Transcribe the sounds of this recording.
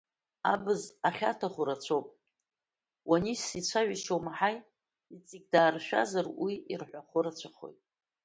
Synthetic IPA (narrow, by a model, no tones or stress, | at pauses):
abɨzaχʲatʰaχʷʊɾat͡ɕʷʰowpʼ | wanisit͡ɕʷʰaʒiʃowmaħaj | it͡sʼiɡ̚ʲdaːrʃᶣa̰zarwiirħʷaχʷʊɾat͡ɕʷʰaχo̞̰jtʼ